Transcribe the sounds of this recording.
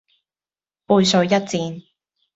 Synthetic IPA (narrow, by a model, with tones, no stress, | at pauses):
puː˧jsɵ˧ɥjɐ˥t̚t͡siː˧n